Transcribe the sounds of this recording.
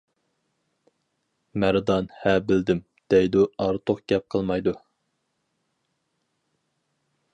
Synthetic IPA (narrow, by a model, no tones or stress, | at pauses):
mæɾd̪ɑnhæbɪld̪ɪm | d̪̥ɛjd̪uɑɾt̪ʰoqɡʲɛp̚qʰəlˠmɑjd̪u